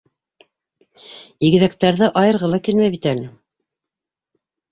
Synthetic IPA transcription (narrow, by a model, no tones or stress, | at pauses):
iɡɘ̆ðækt̪æɾðɘʔɑjɤ̆ɾʁɤlˠɑkilmæjβit̪ælɘ